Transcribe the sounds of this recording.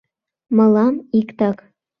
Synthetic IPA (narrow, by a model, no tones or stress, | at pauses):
mɤ̆lˠɑmikt̪ɑk